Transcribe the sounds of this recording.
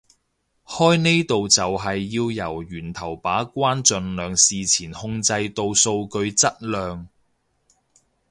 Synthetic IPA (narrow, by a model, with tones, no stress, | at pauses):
hɔː˥jne˥jt̪o˨wt͡sɐ˨wɦɐ˨jːiː˧wjɐ˨˩wɥyː˨˩nt̪ʰɐ˨˩wpaː˨˥kʷaː˥nt͡ʃɵ˨nlœː˨˧ŋsiː˨t͡sʰiː˨˩nhʊ˧ŋt͡sɐ˧jt̪o˧wso˧wkɵ˧ɥt͡sɐ˥t̚lœː˨˧ŋ